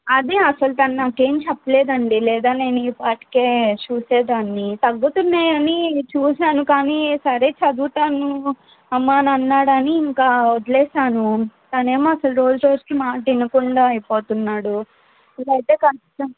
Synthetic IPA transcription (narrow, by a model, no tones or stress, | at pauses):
ɐd̪iɐsɐlut̪ɐnnaːkeːmt͡ʃɛpːɐleːd̪ɐɳɖilɛːd̪aːneːnuiːpaːʈi̥keːt͡ʃuːseːd̪aːnːit̪ɐɡːut̪unːeːɐnit͡ʃuːsaːnukaːnisɐɾe̞ːt͡ʃɐd̪uːʈ̪aːnu | ɐmːaːnɐnːaːɽɐniːŋkaːɔd̪lɛːʃaːnut̪ɐne̞ːmoɐsɐlɾo̞ːd͡ʒuɾo̞ːd͡ʒikimaːʈinɐkuɳɖaːɐjpo̞ːt̪unːaːɽu | ilɐjt̪eːkɐniʈɐm